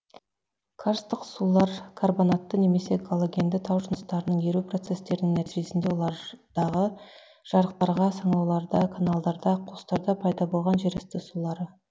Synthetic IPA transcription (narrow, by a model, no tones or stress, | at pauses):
kʰaɾst̪əqsulˠɑɾkʰorbonat̪ːəne̞me̞se̞ɡʰolˠoɡʲe̞nd̪ɪt̪ʰɑwʒʊnəst̪ɑɾənəɴeɾupro̞t̪se̞st̪e̞ɾɪnɪŋnæt̪iʒe̞sɪnd̪e̞wo̞lˠɑɾd̪̥ɑʁə | ʒ̥ɑɾəq̚t̪ɑɾʁɑsɑɴlˠɑwlˠɑɾd̪ɑkʰanalˠd̪ɑɾd̪ɑqʰʊst̪ɑɾd̪ɑpʰɑjd̪ɑbo̞lˠʁɑnʒeɾɪst̪ɪsulˠɑɾə